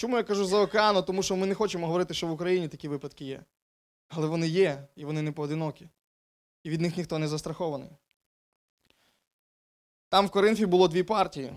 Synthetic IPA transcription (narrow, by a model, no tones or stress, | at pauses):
t͡ʃɔmujakɐʒuzɐɔkeɑnɔt̪ɔmuʃt͡ʃɔmɪnɛxɔt͡ʃemɔɦɔʋɔɾɪt̪ɪʃt͡ʃɔʋʊkɾɐjinʲit̪ɐkʲiʋɪpɐd̪kɪjɛ̰ | ɐlˠɛʋɔnɪjɛiʋɔnɪnɛpɔːd̪ɪnɔkʲi | iʋʲid̪nɪxnʲixt̪ɔnɛzɐst̪ɾɐxɔʋɐnɪ̰j | t̪ɑmwkɔɾɪnfʲibʊlˠɔd̪ʋʲipɑrtʲijḭ